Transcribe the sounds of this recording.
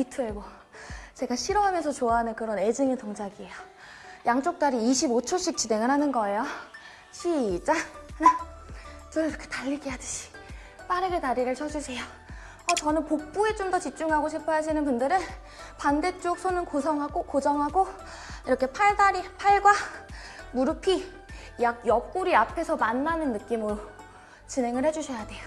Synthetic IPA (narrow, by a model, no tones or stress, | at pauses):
itʰɯebo | t͡ɕe̞ɡaɕʰiɾʌɦamjʌnsʰʌt͡ɕoaɦanɯnkɯɾʌne̞d͡ʑɯŋetoŋd͡ʑaɡiejʌ | jaŋt͡ɕ͈ok̚t͈aɾiiɕʰibot͡ɕʰoɕ͈ʰik̚t͡ɕ͈ine̞ŋɯɾɦanɯnɡʌe̞jo | ɕʰit͡ɕ͈ana | t͡ɕ͈omiɾʌkʰetaʎːiɡijadɯ̥ɕʰi̥ | p͈aɾɯɡetaɾiɾɯɭt͡ɕʰʌd͡ʑusʰe̞jo | ʌt͡ɕʌnɯnpok̚p͈ue̞t͡ɕomdʌt͡ɕip̚t͡ɕ͈uŋɦaɡoɕʰipʰajasʰinɯnpundɯɾɯn | pande̞t͡ɕ͈ok̚sʰonɯnkosʰʌŋɦaɡokod͡ʑʌŋɦaɡo | iɾʌkʰe̞pʰaɭdaɾipʰaɭɡwa | muɾupʰi | jak̚jʌp̚k͈uɾiapʰe̞sʰʌmanːanɯnːɯk͈imɯ | t͡ɕine̞ŋɯɭhe̞d͡ʑuɕʰʌjade̞jo